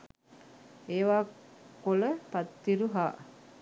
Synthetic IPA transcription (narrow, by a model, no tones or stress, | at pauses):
eːʋaːkoləpat̪ːiɾuɦaː